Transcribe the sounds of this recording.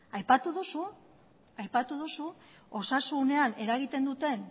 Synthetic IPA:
ajpat̪uðusu | ajpat̪uðusu | o̞sasune̞ane̞ɾaɣit̪e̞nd̪ut̪e̞n

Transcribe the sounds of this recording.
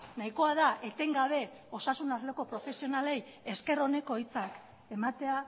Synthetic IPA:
najiko̞aðaʔe̞t̪e̞ŋɡaβ̞e̞ | o̞sasunazleko̞pɾo̞fe̞sio̞nale̞j | e̞ske̞ro̞ne̞ko̞jt͡sak | e̞mat̪e̞a

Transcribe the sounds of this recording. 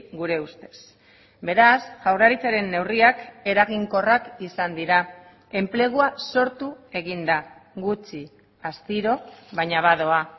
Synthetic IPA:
ɡuɾe̞ust̪e̞̥s | be̞ɾasʝawraɾit͡saɾe̞nːe̞wriake̞ɾaɣiŋko̞rakisand̪iɾa | e̞mple̞ɣ̞uaso̞ɾt̪ue̞ɣind̪aɣut͡ʃi | ast̪iɾo̞βajɲaβað̞o̞a

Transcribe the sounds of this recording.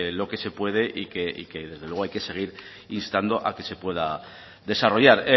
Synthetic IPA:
lo̞ke̞se̞pwe̞ð̞e̞ʔike̞ʔḭke̞ðe̞zðewe̞ajke̞se̞ɣ̞iɾ | inst̪and̪o̞ʔake̞se̞pwe̞ða | ðe̞saroʝaɾ

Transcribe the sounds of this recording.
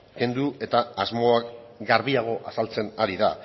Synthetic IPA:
ke̞nd̪ue̞t̪aːzmo̞akɡaɾβiaɣ̞o̞ʔasalt͡se̞naɾiða̰

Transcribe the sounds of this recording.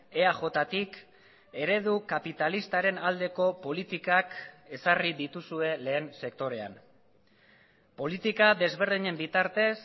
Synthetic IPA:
e̞aʝo̞t̪at̪ik | e̞ɾe̞ðukapit̪alist̪aɾe̞nald̪e̞ko̞po̞lit̪ikake̞sariðit̪usue̞le̞ːnse̞kt̪o̞ɾe̞a̰n | po̞lit̪ikaðe̞zβ̞e̞ɾðiɲe̞mbit̪aɾt̪e̞s

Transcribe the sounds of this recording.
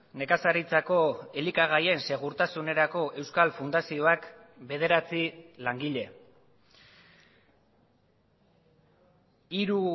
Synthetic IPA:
ne̞kasaɾit͡sako̞e̞likaɣ̞aje̞nse̞ɣ̞uɾt̪asune̞ɾako̞ʔe̞wskalfund̪asio̞akbe̞ð̞e̞ɾat͡silaŋɡiʎe̞ | iɾu

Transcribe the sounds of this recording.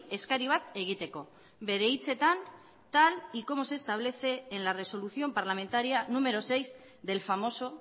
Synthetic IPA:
e̞skaɾiβ̞at̪e̞ɣ̞it̪e̞ko̞ | be̞ɾe̞it͡se̞t̪an | t̪aliko̞mose̞ːst̪aβ̞le̞θe̞ːnlare̞so̞luθio̞mpaɾlame̞nt̪aɾianume̞ɾo̞se̞jz | d̪e̞lfamo̞so̞

